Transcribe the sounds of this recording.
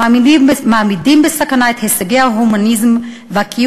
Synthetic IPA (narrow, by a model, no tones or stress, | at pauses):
amidimbmaːmidimbesakanaet̪hesaɡeaɦumanizm | vakʰi